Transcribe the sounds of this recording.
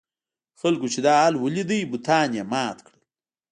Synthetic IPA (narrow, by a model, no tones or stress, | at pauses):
xalkot͡ʃed̪ɑːlwəlid̪əjbut̪ʰɑːnjamɑːt̪kɽəl